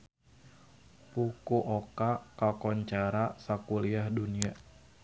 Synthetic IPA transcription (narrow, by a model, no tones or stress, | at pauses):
pukuʔɔkakakɔɲt͡ʃaɾasakuliahdunia